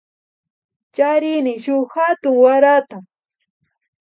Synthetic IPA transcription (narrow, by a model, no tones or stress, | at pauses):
t͡ʃaɾɪnɪʃʊhat̪ʊŋwaɾat̪a